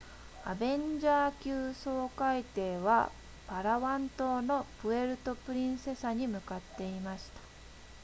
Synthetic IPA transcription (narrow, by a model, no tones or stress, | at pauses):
abẽ̞ɲd͡ʑaːkʲɨːso̞ːkait̪e̞ːβa̰ | paɾaβãnt̪o̞ːno̞pɯ̟e̞ɾɯ̟t̪o̞pɯ̟ɾʲĩɰ̃se̞saɲ̟imɯ̟kat̪ːe̞imaɕi̥t̪ḁ